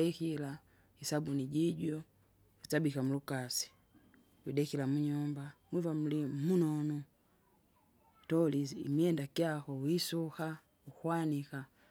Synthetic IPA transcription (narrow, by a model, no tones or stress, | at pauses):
ɛkila | hisabuniɟiɟɔ | witabikamulukasi̥ | widɛkilamuɲumbamwivam̩limunɔnu | tɔliḭmiɛndakiakɔwisuha | uhwanika